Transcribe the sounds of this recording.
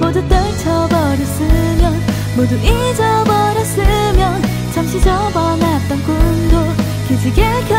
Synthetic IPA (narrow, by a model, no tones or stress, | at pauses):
modut͈ʌɭt͡ɕʰʌbʌɾʌs͈ɯmjʌn | moduʔi | d͡ʑʌbʌɾʌs͈ɯmjʌn | t͡ɕʰamɕʰid͡ʑʌbʌnat̚t͈ʌnk͈undo | kid͡ʑiɡekʰʌ